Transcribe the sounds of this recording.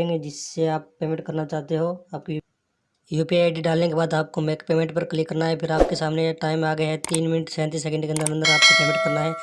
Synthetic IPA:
ẽŋɡed͡ʒɪsːeaːpːeːmɪʈkɐɾnat͡ʃaːt̪eɦoaːp̚k | juːpiaːɪɖiɖaːlnekebaːd̪aːp̚komeːkpeːmẽɳʈ̚pɐɾklɪkːɐɾnaɦɛpʰɪɾaːp̚kesaːmneʈaːɪmaːɡɐjɦɛt̪iːnmɪnəʈsɛ̃ːnt̪̬is̬ɛkɛ̃ɳɖkeɐ̃nd̪əɾɐ̃nd̪əɾaːp̚kopeːmɪʈ̚kɐɾnaɦɛː

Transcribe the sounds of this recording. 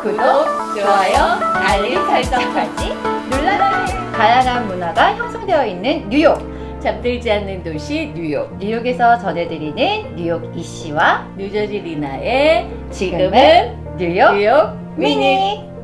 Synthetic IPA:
kɯɡot͡ɕoajʌaʎːisaɭt͡ɕ͈ʌkʰad͡ʑinuɭːanankajaŋɦanmunaɡaçjʌŋsʰʌŋde̞jʌinːɯnːujok̚ | t͡ɕam̚t͈ɯɭd͡ʑianːɯntoɕʰiɲujok̚ɲujoɡe̞sʰʌt͡ɕʌne̞dɯɾinɯnːujoɡiɕ͈ʰiwaɲud͡ʑʌd͡ʑiɾinae | t͡ɕiɡɡɯmɯn | ɲujojok̚ | miɲi

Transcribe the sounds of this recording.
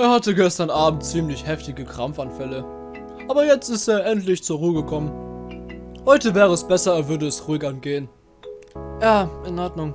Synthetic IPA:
ʔeːɐhatəɡɛstɐnʔaːbm̩tt͡siːmlɪçhɛftɪɡəkʁ̥amfanfɛlə | ʔaːbɐjɛt͡stɪsteːɐʔɛntlɪçt͡suːɐʁuːəɡəkʰɔmən | hɔʏtəvɛːʁəɛsb̥ɛsɐːv̥ʏɐdəɛsʁuːɪkanɡ̥eːən | jaːɪnʔɔɐtnʊŋ

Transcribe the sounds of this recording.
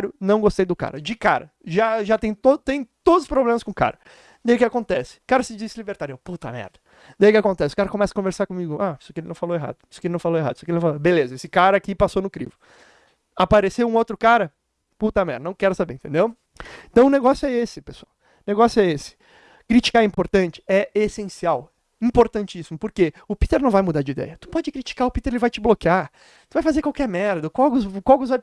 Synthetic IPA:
ɾʊnɐ̃w̃ɡost̪ejd̪ʊka̰ɾɐd͡ʒɪkaɾɐ | ʒaʒat̪ẽj̃t̪ot̪ẽj̃t̪od̪ʊzʊspɾoblẽmɐskõka̰ɾɐ | d̪ejʊkɪakõnt̪ɛsɪ̥kaɾɐsɪd͡ʒisɪlibeɾt̪aɾoput̪ɐ̰mɛ̰ɾd̪ɐ | d̪ejʊkɪakõnt̪ɛsɪʊ̥kaɾɐkõmɛsɐkõveɾsaɾkõmiɡʊai̥sʊ̥kelɪnɐ̃w̃faloweɦa̰d̪ʊisʊ̥kelɪnɐ̃w̃faloweɦad̪isɔkelnw̃falobelezɐesɪkaɾɐakipasonʊkɾḭvʊ | apaɾesewũowt̪ɾʊkaɾɐ | put̪ɐmɛɾd̪ɐnɐ̃w̃kɛɾʊsabeẽt̪ẽd̪ew | ẽt̪ɐ̃w̃ʊneɡɔsjʊɛesɪpesʊaw | neɡɔsjʊɛesɪ̥ | kɾit͡ʃi̥kaɾɛĩpoɾt̪ɐ̃nt͡ʃɪ̥ɛesẽsiaw | ĩpoɾt̪ɐ̃nt͡ʃɪisimʊpoɾkeʊpit̪eɾnɐ̃w̃vajmud̪aɾd͡ʒɪid̪ɛ̰jɐt̪u̥pɔd͡ʒɪkɾit͡ʃi̥kaʊpit̪eɾelɪvajt͡ʃɪblokɪaɾ | t̪uvajfazeɾkwawkɛɾmɛɾd̪ɐkwawʊzkwawkʊza

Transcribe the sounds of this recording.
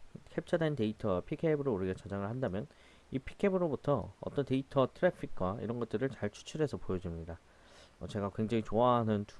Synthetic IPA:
kʰep̚t͡ɕʰʌdente̞itʰʌpʰikʰebɯɾoɾɯɡʌt͡ɕʰad͡ʑaŋɯɭhandamjʌn | ipʰi̥kʰebɯɾobutʰʌ̰ːt͈ʌnte̞itʰʌtʰɯɾepʰik̚k͈waḭɾʌnɡʌt̚t͈ɯɾɯɭt͡ɕaɭt͡ɕʰu̥t͡ɕʰiɾe̞sʰʌpojʌd͡ʑumɲida | ʌt͡ɕe̞ɡakwe̞ŋd͡ʑaŋit͡ɕoaɦanɯnt

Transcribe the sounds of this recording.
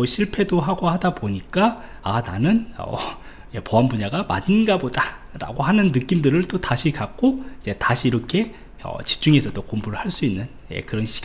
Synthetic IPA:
oɕʰiɭpʰe̞doɦaɡohadaboɲik͈a | ananɯnʌ̰ | jepoɦambuɲaɡama̰dɯnɡaboda | ɾa̰ɡoɦanɯnːɯk͈imdɯɾɯɭt͈otaɕʰikak̚k͈oid͡ʑe̞taɕʰiːɾʌkʰe̞ | ʌ̰t͡ɕi̥p̚t͡ɕ͈uŋe̞sʰʌt͈okombuɾɯɭhaɭs͈uinːɯn | je̞̰kɯɾʌnɕʰi̥ɡ

